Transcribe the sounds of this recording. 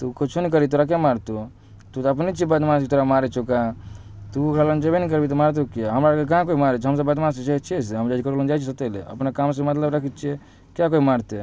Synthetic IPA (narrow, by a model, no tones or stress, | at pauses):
t̪ukot͡ʃʰunik̬əɾit̪oːɾak̬emaːɾt̪o | t̪ut̪əpnit͡ʃibəd̪mansit̪oɾamaːɾet͡ʃʰoka | t̪ukʰɾalənd͡ʒəbinikəɾbit̪omaːɾt̪̬okeɦəmɾakek̬aɦãkoimaːɾet͡ʃʰɦəms̬əbəd̪manset͡ʃet͡ʃʰeseɦəmd͡ʒad͡ʒkəɾolənd͡ʒat͡ʃʰisət̪elḛə̰pnekaːmsemət̪ləbɾəkʰit͡ʃʰie | kjak̬oimaɾt̪e